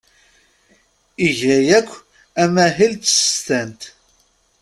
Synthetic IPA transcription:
iʝæjækʷː | æmæɦilt͡sə̥st̪ænt̪

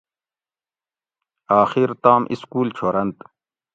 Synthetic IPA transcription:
aːxiɾt̪aːmʔḭskuːlt͡ɕʰoːɾɐnt̪

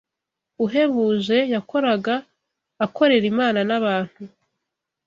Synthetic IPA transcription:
uɦe̞βuːʒe̞jakʰo̞ɾaɡaː | kʰo̞ɾe̞ɾimaːnanaβaːn̥hu

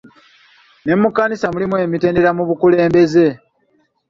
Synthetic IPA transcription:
ne̞mukːanisamulimwe̞ːmite̞ːndeɾamuβukule̞ːmbe̞ze̞

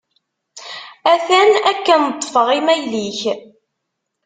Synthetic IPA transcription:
æθænækːənət̪ˤːfəʁimæjliç

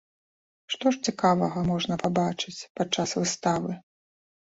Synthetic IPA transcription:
ʂt̪ɔʂt͡sʲikavɐɣɐmɔʐnɐpabat͡ʂɨt͡sʲpat͡ʂːasvɨst̪avɨ

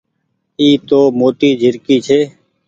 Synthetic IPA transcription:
iːt̪oːmoːt̪iːd͡ʒʱɪɾkiːt͡ʃʰeː

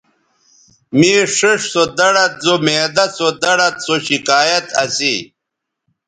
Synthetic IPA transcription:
miːʂəʂsod̪ɐɽɐt̪̚zomeːd̪ɐsod̪ɐɽɐt̪̚soɕikaːjɐt̪ɐsi

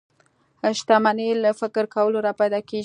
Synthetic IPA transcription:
aʃt̪amanelafɪkɾkawəloɾɑpajd̪ɑke

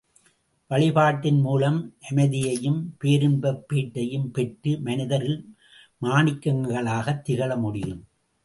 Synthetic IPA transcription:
ʋɐɭɪpaːʈːɪnmuːlɐmʔɛmɐðɪjɐjɯmpeːɾɯnbɐpːeːʈːɐjɯmpɛʈrɯmɐnɪðɐɾɪl | maːnɪkːɐŋɡɐɭaːɣɐt̪ːɪɣɐɭɐmʊɽɪjɯ̰m

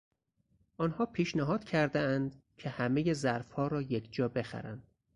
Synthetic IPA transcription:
ʔɒːnhɒːpʰiːʃnæɦɒːd̪̥cʰæɾd̪eænd̪cʰehæmejezæɾfhɒːɾɒːjekʰd͡ʒɒːbe̞xæ̰ɾæ̰nd̪̥

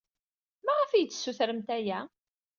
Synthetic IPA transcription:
mæʁəfijət͡sːsːuθɾəmt̪æjæ

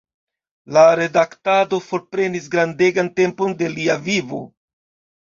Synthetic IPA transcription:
laɾe̞daktado̞fo̞ɾpɾe̞nis̬ɡɾande̞ɡante̞mpo̞nde̞liavivo̞̰

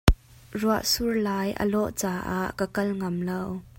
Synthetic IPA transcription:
ruaʔsurlaːjʔə̰lɔʔt͡saːʔaʔkəkɐlŋɐmlow

